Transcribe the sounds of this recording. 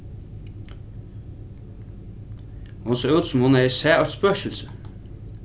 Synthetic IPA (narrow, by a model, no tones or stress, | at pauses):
hʊnseːʉːt̪sʊmhʊnæɪsæːʔœtspœʃəlsə